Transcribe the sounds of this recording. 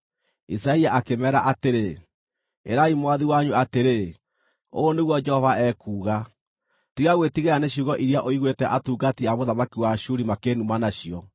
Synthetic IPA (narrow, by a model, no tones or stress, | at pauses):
isaiaʔakemɛːɾaʔateɾe | ḛɾaimwaðiwaɲuateɾe | o̰ːneɣwɔd͡ʒɛhɔvaɛːkuːɣa | tiɣaɣwetiɣeaneɕuɣɔʔiɾiaʔoiɣwetɛʔatuːɡatiamoðamakiwaʃuɾimakenumanaɕiɔ